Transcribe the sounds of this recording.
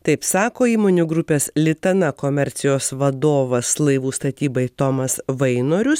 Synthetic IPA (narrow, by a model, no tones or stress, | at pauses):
t̪ɐɪpsɑːkoːiːmoːnʲuɡɾʊpʲeːslʲɪt̪ɐnɐkoːmʲɛɾʲt̪sʲɪjoːsʋɐd̪oːʋɐslˠɐɪʋuːst̪ɐt̪ʲiːbɐɪt̪omɐsʋɐɪnoːɾʲʊs